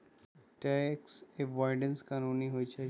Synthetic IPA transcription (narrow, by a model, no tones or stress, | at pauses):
ʈɛkseʋɔɾɖənskanuniɦojt͡ʃʰe